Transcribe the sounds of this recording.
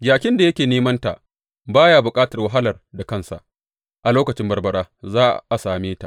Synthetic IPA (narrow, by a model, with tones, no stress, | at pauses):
d͡ʒaː˨kʲɪ˦nda˨jɐ˦kʲeː˨neː˦mɐ˦nta̰˨ | baː˦jaː˨bʊ˨kʼaː˦tɐ˨rwɐ˦ɦa˦lɐ˨rda˨kɐ˦˨nsa̰˨ʔ | ʔa˨loː˦kɐ˨t͡ʃɪ˦mbɐ˨rbɐ˨ɽaː˦zaː˦ʔa˨saː˨meː˦ta̰˨ʔ